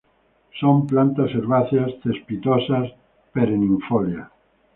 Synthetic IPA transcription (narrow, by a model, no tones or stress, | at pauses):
somplant̪aseɾβaθjast̪espit̪osas | peɾenĩɱfolja